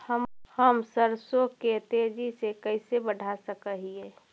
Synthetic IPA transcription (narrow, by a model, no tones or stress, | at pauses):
həmhəmsəɾsoket̪ed͡ʒisekəɪsebəɖʱasəkəɦie